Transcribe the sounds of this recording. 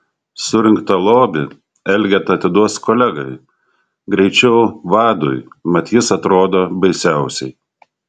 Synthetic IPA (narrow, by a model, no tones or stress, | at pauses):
sʊɾʲɪŋkt̪ɐlˠoːbʲɪ | ɛlʲɡʲɛt̪ɐt̪ʲɪd̪uɔskɔːlʲɛɡɐɪ | ɡɾʲɛɪt͡ʃʲɛʊʋɑːd̪ʊ̰jmɐt̪ʲjɪsɐt̪ɾoːd̪oːbɐɪsʲæˑʊsʲɛɪ